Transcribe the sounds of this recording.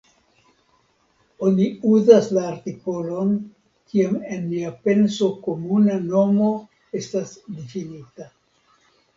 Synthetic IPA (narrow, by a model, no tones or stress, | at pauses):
o̞niuzaslaːɾtiko̞lo̞n | kiame̞nmiape̞nso̞ko̞munano̞mo̞ | e̞stasdifinita